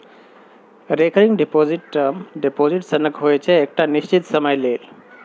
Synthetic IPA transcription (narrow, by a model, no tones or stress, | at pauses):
ɾekʰəɾiŋɖepoziʈmɖepoziʈsənəkɦojt͡ʃʰɛːk̚ʈanist͡ɕit̪səməjlel